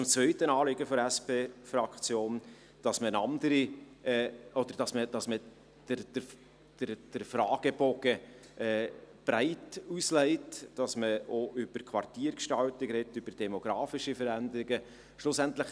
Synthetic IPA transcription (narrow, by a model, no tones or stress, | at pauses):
t͡sʊmt͡svœʏtənɑːlɪɡəfɔɾæspeːfɾɑkt͡sjoːn | d̥ɑsmənɑnd̪əɾi | ɛːɔd̪əɾd̥ɑsməd̥ɑsmə | d̥əɾd̥ə | d̥əɾd̥əɾfɾɑːɡ̥əbɔɡ̥ə | ɛːb̥ɾæɪtuslɛɪtd̥ɑsməoʔʏb̥əkʰʋɑrtiːəɾkʃtɑltɪkɾɛtːʏb̥əɾd̥ɛmoɡ̥ɾɑːfɪʃifəɾænd̪əɾɪɡə | ʃlʊsænt̪ləχ